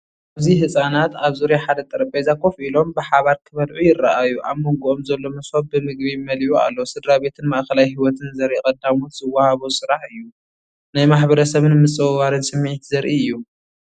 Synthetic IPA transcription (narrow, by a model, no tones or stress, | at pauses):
ʔaziɦɨsʼanat̪aβzuɾjaħad̪ɐt̪ʼɐɾɐpʼezakʰːo̞fʔilo̞mbɨħaβaɾkʰɨβɐlʕujɪrːaʔajuʔaβmoŋɡuʔomzɐlːo̞mɐsot̚bɨmɨɡ̚bimɐliʔua̰lːosɨd̪ɾaβe̞t̪ʰɨnmaʔkʰɐlajhiwɔt̪ʰɨnzɐɾʔikʼɐd̪amuz̥ɨwːahaβusɨɾaħɨjːu | najmaħbɐɾɐsɐβɨnmɨt͡sʼɨwβaɾɨnsɨmːiʕit̪zɐɾʔiɨjːu